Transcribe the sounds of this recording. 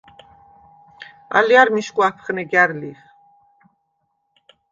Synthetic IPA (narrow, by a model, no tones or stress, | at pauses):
a̰liaɾmiʃkʼwapʰχnɛɡjaɾliχ